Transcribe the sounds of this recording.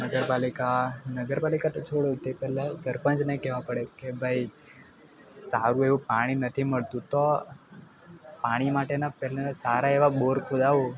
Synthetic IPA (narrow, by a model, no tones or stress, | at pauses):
nəɡəɾpalikanəɡəɾpalikat̪ot͡ʃʰoɽjot̪epɛlesəɾpə̃nd͡ʒnekɛʋãpəɽekebʱaj | saɾũeʋũpaɽ̃inət̪ʰiməɭt̪ũt̪o | paɽ̃imaʈenapɛɦlesaɾaeʋaɓoɾkʰud̪aʋu